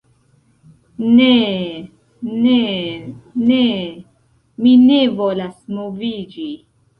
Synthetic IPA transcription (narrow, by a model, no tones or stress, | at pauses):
ne | ne | ne | minevolasmovid͡ʒi